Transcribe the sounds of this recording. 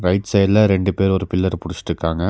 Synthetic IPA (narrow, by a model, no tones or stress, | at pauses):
ɾɐɪʈsɐjɐlɐɾɛɳɖɯpeːɾɔɾɯpɪlːɐɾpʊɽɪt͡ʃːɪ̥ʈɾɯkːaːŋɡɐ